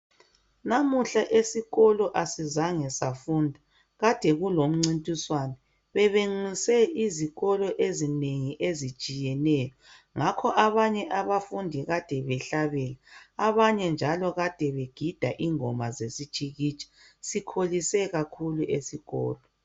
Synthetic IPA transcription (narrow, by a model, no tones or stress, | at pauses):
namuɬaʔesiɣɔlɔʔasizaŋɛsafuːndʱa | ɣad̥ʱɛɣulom̩ŋ͡ǀintʼiswanɛ | βɛβeŋ͡ǀisɛiziɣɔlɔʔezineŋiʔezi̥t͡ʃʼijɛnɛːjɔ | ŋakʰɔʔaβaɲɛʔaβafundʱiɣad̥ʱɛβɛɬaβɛlaaβaɲɛnd͡ʒʱalɔɣad̥ʱɛβeɡ̥ʱid̥ʱaʔiŋɔmazesit͡ʃʼiɣit͡ʃʼḁsikʰolisɛɣakʰuluʔesiɣɔ̰ːlɔ